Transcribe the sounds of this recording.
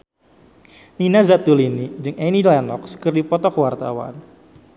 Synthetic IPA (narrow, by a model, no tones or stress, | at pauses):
ninazat̪̚ulinid͡ʒɨŋɛnilanɔk̚sə̥kɨrdipɔt̪ɔkwart̪a̰wa̰n